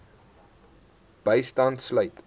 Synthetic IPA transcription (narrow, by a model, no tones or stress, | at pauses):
b̥əjstɐntslœɥt